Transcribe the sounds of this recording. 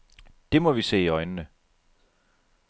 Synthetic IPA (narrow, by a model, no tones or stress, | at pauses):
d̥e̝mɒ̽ʋise̝̰ːiɒ̽ɪnənə